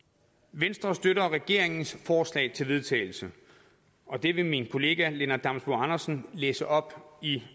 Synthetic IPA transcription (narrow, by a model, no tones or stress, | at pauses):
ʋensd̥ʁɐsd̥øɾɐʁɛɡ̥e̝ɐ̰e̝ŋn̩sfɒːslɛ̰ɪt͡sʰe̝lʋe̝ð̞ˠt͡sʰɛ̰ɪl̩sə | ʔɒ̽d̥e̝ʋe̝minkʰo̝le̝ːɡ̥æle̝nɐd̥ɑ̈msb̥oɑnɐsn̩leːsəʔɒ̽b̥i